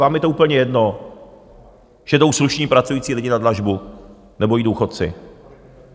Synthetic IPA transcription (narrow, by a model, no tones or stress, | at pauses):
aːmjɛt̪oʔuːpl̩ɲɛjɛdno | ʒ̥ɛdo̞wsluʃɲiːpɾat͡sujiːt͡siːlɪɟɪnadlaʒbu | nɛboidowxot̪t͡sɪ̰